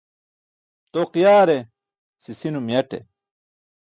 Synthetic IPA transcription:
t̪oqijaːɾe | sisinumjɐʈḛ

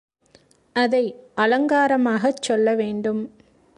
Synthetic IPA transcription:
ɐðɐɪɐlɐŋɡaːɾɐmaːɣɐt͡ʃːɔlːɐʋeːɳɖɯm

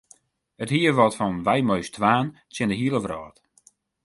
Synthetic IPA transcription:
əthiəʋɔtfɔnʋɛjmøɥstʰʋaːn | tjɪndəɦiəlˠəʋrɔːt

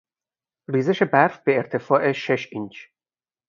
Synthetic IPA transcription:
riːzeʃe̞bæɾfbeːɾt̪ʰe̞fɒːʔeʃeʃint͡ʃ

